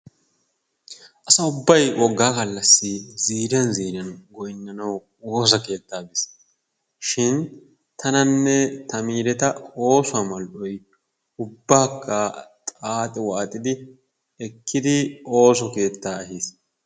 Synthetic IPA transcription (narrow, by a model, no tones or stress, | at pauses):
ʔɐsɐʊbːɐjwɔɡːaːkɐlːɐsːɪziːɾɪjɐnziːɾɪjɐnɡɔjɪnːɐnɐw | oːs̬ɐke̞ːt̪ːaːbɪs | ʃɪn | t̪ʰɐnɐnːɛt̪ɐmiːɾɛt̪ɐo̞ːsʊamɐlʔɔj | ʊbːaːkːat̪ʼaːt̪ʼɛwaːt̪ʼɪd̪ɪ | ɛkːɪd̪ɪo̞ːs̬ɔke̞ːt̪ːaːɐɦiːs